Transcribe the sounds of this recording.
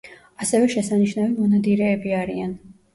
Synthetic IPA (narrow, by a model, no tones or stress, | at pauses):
asɛvɛʃɛsaniʃnavimɔnad̪iɾɛːbiaɾian